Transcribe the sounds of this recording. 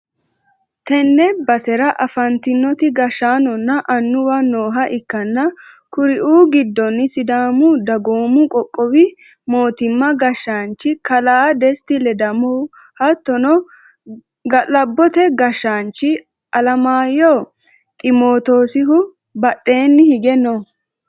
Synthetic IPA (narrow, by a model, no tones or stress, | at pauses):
t̪ɛnːɛbɐsɛɾɐʔɐfɐnt̪ɪnːɔt̪ɪɡɐʃːaːnɔnːɐʔɐnːʊwɐno̞ːɦɐʔɪkːɐnːɐ | kʊɾɪʔuːɡɪd̪ːɔnːɪsɪd̪aːmʊd̪ɐɡoːmʊkʼɔkʼːɔwɪ | mo̞ːt̪ɪmːɐɡɐʃːaːnt͡ʃːɪkɐlaːd̪ɛst̪ɪlɛd̪ɐmɔ | hɐt̪ːɔnɔ | ɡɐlɐbːɔt̪ɛɡɐʃːaːnt͡ʃːɪ | ɐlɐmaːjo | t̪ʼɪmoːt̪oːsɪɦʊ | bɐtːe̞ːnːɪhɪɡɛno